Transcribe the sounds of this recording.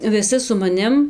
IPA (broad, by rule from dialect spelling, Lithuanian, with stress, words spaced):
ʋʲɪˈsʲɪ sʊ mɐˈnʲɪm